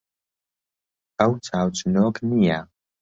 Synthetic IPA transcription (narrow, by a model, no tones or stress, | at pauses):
ɐwt͡sʰaːwt͡sʰʼnoːkʰʼnija